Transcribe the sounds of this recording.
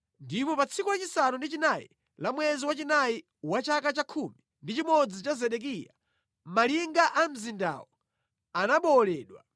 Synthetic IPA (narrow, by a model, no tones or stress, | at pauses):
ndipɔpat͡sʰikulat͡ʃisanundit͡ʃinaḭ | lamwɛziwat͡ʃinai | wat͡ʃakat͡ʃakʰumi | ndit͡ʃimɔd͡zit͡ʃazɛɗɛk̬iːja | maliŋɡaʔam̩zinda̰ːwɔ | anaɓɔlɛːɗwa̰